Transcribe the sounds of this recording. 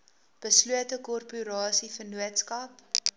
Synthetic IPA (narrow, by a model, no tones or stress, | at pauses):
b̥əsluətəkɔrpyɾɑːsifərnuətskɐp